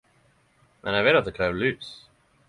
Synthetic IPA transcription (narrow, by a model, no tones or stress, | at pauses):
ʔə̰̃naɪvɛɾəvðəkʰl̥oʊlʉˑs